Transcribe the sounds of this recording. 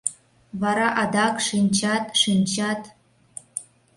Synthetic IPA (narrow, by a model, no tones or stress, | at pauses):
vɑɾɑʔɑd̪ɑkʂinʲt͡ɕɑt̪ʂinʲt͡ɕɑt̪